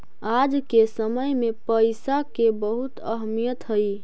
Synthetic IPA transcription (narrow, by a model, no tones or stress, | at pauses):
ad͡ʒkesəməjmepəɪsakebəɦut̪ə̰ɦmijət̪ɦəj